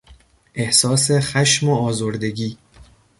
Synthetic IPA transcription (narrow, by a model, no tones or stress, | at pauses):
ʔe̞hsɒːsexæʃmoɒːzoɾd̪e̞ɟiː